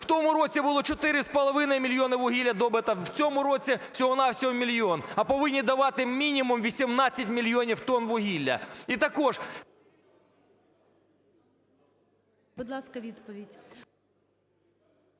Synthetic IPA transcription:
w̥t̪ɔmʊɾot͡sʲibʊlˠɔt͡ʃɔt̪ɪɾɪspɐlˠɐʋɪnɐjmʲɪlʲjonɪʋʊɦʲilʲɐd̪ɔbɪt̪ɐw̥t͡sʲɔmʊɾɔt͡sʲifsʲɔɦɔnawsʲɔɦɔmʲilʲɔnɐpɔʋɪnʲːid̪ɐʋɑt̪ɪmʲinʲimʊmʋʲisʲimnɑt͡sʲːɐtʲmʲilʲjonʲiwt̪ɔnʋʊɦʲilʲːɐ̰it̪ɐkɔʐ | b̥ʊd̪lˠɑskɐʋʲid̪pɔʋʲidʲ

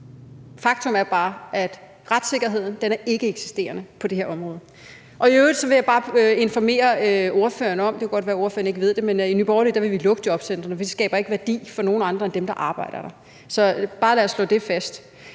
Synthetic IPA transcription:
fɑ̈ɡ̥t͡sʰo̽mæɐb̥ɑ̈ːʔæd̥ | ʁad̥se̝ɡ̥ɐɦe̝ð̰ˠn̩d̥enæɐʔe̝ɡ̥əeɡ̥si̥sd̥e̝̰ːɐnəpʰɒ̽d̥e̝heɐɒ̽mʁɔːð̞̩ˠ | ʔɒ̽iøːʊðdˠsɒ̽ʋe̝jɑ̈ɪbɑ̈ːe̝nfɒme̝̰ːɐo̝ɐfø̰ːɐnəɒ̽md̥e̝kʰæɡɒ̽d̥ʋæɐo̝ɐfø̰ɐne̝ɡ̥əʋe̝ð̰ˠd̥e̝meninyːb̥ɒːlid̥ɑ̈ʋe̝ʋilɔ̽ɡ̥̚d̥iɒ̽b̥sen̰d̥ʁɐnəfi̥sɡ̥ɛ̰ːb̥ɐe̝ɡ̥əʋæɐd̥ḭːfɒ̽no̝ːn̩ɑ̈nd̥ʁɐend̥emd̥ɑ̈ʔɑ̈ːb̥ɑ̈ɪ̰d̥ɐɾ̥ɑ̈ | sɒ̽b̥ɑ̈ːlæɐslɔ̰̽ːd̥e̝fæsd̥

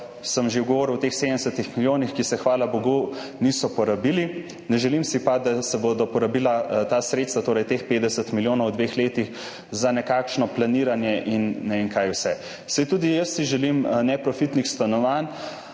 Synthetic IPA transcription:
səmʒeuɡɔʋoːɾiwt̪exsed̪ənɛsət̪ixmiljoːnixkisɛxʋaːlabɔɡunisɔpɔɾabili | nɛʒɛlimsipad̪asɛbod̪ɔpɔɾabilat̪asɾet̪st̪ʋat̪oːɾɛjt̪expeːd̪d̪ɛsət̪miljoːnɔwd̪ʋexleːt̪ix | zanɛkakʃnɔplaniːɾanjɛʔinːɛʋeŋkajwsɛ | sɛjt̪uːd̪ijəsːiʒɛlimnɛpɾɔfit̪nixst̪anɔʋan

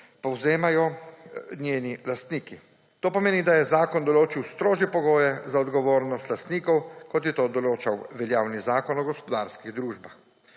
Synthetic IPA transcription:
pɔwzeːmajɔ | nʲjeːnilast̪niːki | t̪oːpɔmeːnid̪ajɛzaːkɔnd̪ɔloːt͡ʃiwst̪ɾoːʒjɛpɔɡoːjɛzaɔd̪ɡɔʋoːɾnɔst̪last̪niːkɔwkɔt̪jɛt̪oːd̪ɔloːt͡ʃawʋɛljaːwnizaːkɔnɔɡɔspɔd̪aːɾskiɣd̪ɾuːʒbax

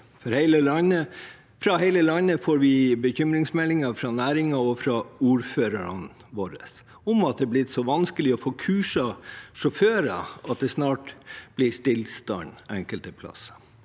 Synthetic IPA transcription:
fɔɾhɛɪləlɑnə | fɾɑhɛɪləlɑnːəfoːɾʋɪbəçʏmɾɪŋsmɛlːɪŋɑfɾɑnæːɾɪŋɑɔfɾɑuːɾføːɾəɾə̰n | ʋoːɾə̰s | ʊmɑt̪̚d̪ɛblɪt̪sɔʋɑnskəlɪɔfoːkʰʉːʂɑʂɔføːɾɑ̰ɑt̪̚d̪ɛsnɑːʈb̥lɪst̪ɪlst̪ɑ̰nɛŋkəlt̪əpʰlɑ̰sə̥

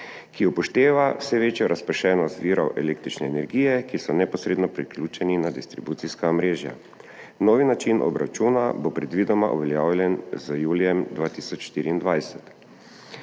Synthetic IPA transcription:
kiɔpɔʃt̪eːʋawsɛʋeːt͡ʃjɔɾʔaspɛʃɛːnɔst̪ʋiːɾɔwʔɛleːkt̪ɾit͡ʃnɛːnɛɾɡijɛkisɔnɛpɔsɾeːd̪nɔpɾiklʲuːt͡ʃɛninad̪ist̪ɾibuːt̪siskaɔmɾeːʒja̰ | noːʋinat͡ʃinʔɔ̰bɾa̰t͡ʃuːnabopɾɛd̪ʋiːd̪ɔmaʔṵʋɛljaːwlʲjɛnzəjuːlijɛmd̪ʋaːt̪isɔt͡ʃʃt̪iːɾiːnd̪ʋajsɛt̪

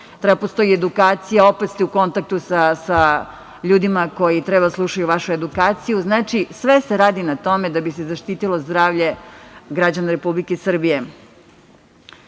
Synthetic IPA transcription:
t̪ɾebapost̪o̞jied̪ukaːt̪sijao̞pet̪st̪euko̞nt̪ak̚t̪usasa | ʎuːd̪imako̞jit̪ɾebad̪aslˠuʃajuʋaʃue̞d̪ukaːt̪sijuznaːt͡ʃisʋeseɾaːd̪inat̪o̞med̪abisezaʃt̪iːt̪ilo̞zd̪ɾaːʋʎe̞ɡɾad͡ʑanaɾepublikesr̩bije̞

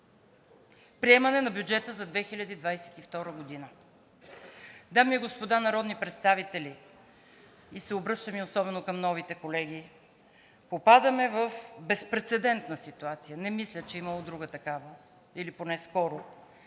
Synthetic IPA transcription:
pɾiɛmɐnɛnɐbjud͡ʒɛt̪əzɐd̪vɛxilʲɐd̪id̪vajsɛ̥t̪ift̪ɔɾəɡod̪inə | d̪amiɛɡospod̪anɐɾɔd̪nipɾɛt̪st̪avit̪ɛli | isɛobɾɤʃt̪əmiosɔbɛnokɐmnɔvit̪ɛkolɛɡ̟i | popad̪əmɛvəfbɛspɾɛt̪sɛd̪ɛnt̪nəsit̪uat̪sijənɛmislʲət͡ʃɛimɐlˠod̪ɾuɡət̪ɐkavə | iliponɛskɔɾo

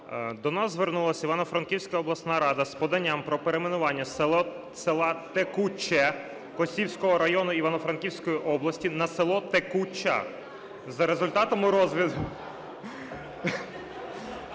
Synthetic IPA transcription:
d̪ɔnɑzzʋe̞rnulˠɐsʲiʋɑnɔfɾɐnkʲiwsʲkɐɔblˠɐsnɑɾɑd̪ɐspɔd̪ɐnʲːampɾɔpeɾemenʊʋɑnʲːɐ | selˠɑt̪ekut͡ʃːɛ | kɔsʲiwsʲkɔɦɔɾɐjɔnʊiʋɐnɔfɾɐnkʲiwsʲkɔjiʔɔblˠɐsʲtʲinɐselˠɔt̪ekut͡ʃːa̰ | zɐɾezʊlʲt̪ɑt̪ɔmʊɾɔzʋʲid̪ʊ

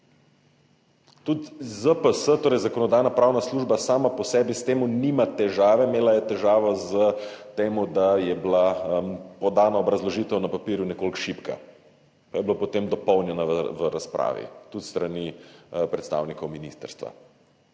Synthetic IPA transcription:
t̪ut̪zəpəsət̪oːɾɛjzakɔnɔd̪ajnapɾaːwnasluʒbasaːmapɔsɛːbist̪eːmunimat̪ɛʒaːʋɛmeːlajɛt̪ɛʒaːʋɔzət̪eːmud̪ajɛblampɔd̪aːnaɔbɾɐzlɔʒiːt̪ɛwnapapiːɾjunɛkoːlkʃipka̰ | pajɛblopɔt̪emd̪ɔpɔwnjɛnaʋəɾaspɾʔa̰ːʋḭt̪ut̪st̪ɾanipɾɛt̪st̪a̰ːwnikɔwminist̪ə̰ɾst̪ʋa̰

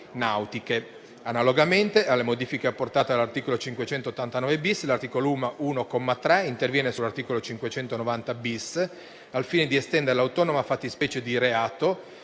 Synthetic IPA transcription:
nawt̪ike | analoɡament̪eʔalːemod̪iːfikeapːort̪aːt̪ealːart̪iːkolot͡ʃiŋkwet͡ʃɛnt̪oot̪ːant̪anɔːvebislart̪iːkolouːmaʔuːnokɔmːat̪ɾɛint̪ervjɛːnesulart̪iːkolot͡ʃiŋkwet͡ʃɛnt̪onovant̪abis | alfiːned̪iest̪ɛnd̪eɾelawt̪ɔːnomafat̪ːispɛːt͡ʃed̪iɾeaːt̪o

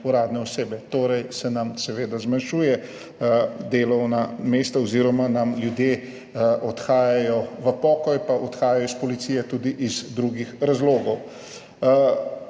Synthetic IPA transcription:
uɾaːd̪nɛɔseːbɛt̪oːɾɛjsɛnamsɛʋeːd̪azmanʃuːjɛ | d̪eːlɔwnameːst̪aɔziɾɔmanamljud̪jeː | ʔɔt̪xaːjajɔʋəpɔːkɔjpaʔɔt̪xaːjajɔispɔlit̪siːjɛt̪ud̪iʔizd̪ɾuɡixɾazloːɡɔw

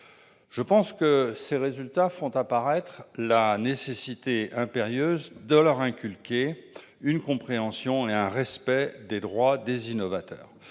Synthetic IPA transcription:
ʒ̥əpɑ̃skəseʁezylt̪afɔ̃t̪apaʁɛt̪χlanesesit̪eɛ̃peʁjøzd̪əlœʁɛ̃kʲylkʲe | ynkɔ̃pχeɑ̃sjɔ̃eɛ̃ʁɛspɛd̪ed̪ʁwad̪ezinɔvat̪œ̰ːʁ

